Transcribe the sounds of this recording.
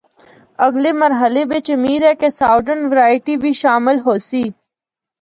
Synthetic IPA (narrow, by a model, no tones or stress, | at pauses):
əɡleməɾɦəlebet͡ʃəmiːɾɛkesaːɖənʋəɾaːɪʈibʱiʃaːmɪlɦoːsiː